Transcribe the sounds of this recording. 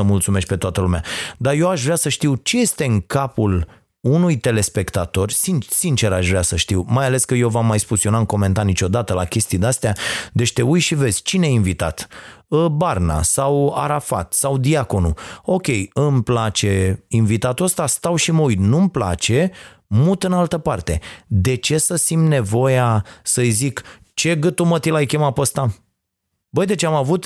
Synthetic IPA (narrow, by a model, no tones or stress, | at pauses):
əmult̪sume̞ʃk̪ʲpe̞t̪oat̪əlumea̰d̪aje̞waʃvɾeasəʃt̪iwt͡ʃe̞je̞st̪e̞ɨŋkapul | unujt̪e̞le̞spe̞kt̪at̪o̞rʲsinsint͡ʃe̞ɾaʃvɾeasəʃt̪iwmajale̞skəjewvamːajspusjionaɨŋko̞me̞nt̪arnit͡ʃo̞d̪at̪əlakʲe̞st̪id̪east̪ead̪e̞t͡ʃt̪e̞ujʃive̞zʲt͡ʃineainvit̪a̰t̪ | əbarna̰sawa̰ɾafa̰t̪sawd̪iako̞nṵo̞kʲe̞jɨmplat͡ʃe̞invit̪at̪uəst̪ast̪awʃiməujt̪numpla̰t͡ʃe̞ | mut̪ɨnalt̪əpart̪e̞d̪e̞t͡ʃe̞səsimne̞vo̞jasəjzik | t͡ʃe̞ɡɨt̪umət̪ilajkʲemapəst̪a | bəjd̪e̞t͡ʃeamavut̪